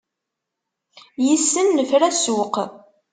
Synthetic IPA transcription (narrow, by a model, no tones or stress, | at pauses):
jisːənːəfɾæsuq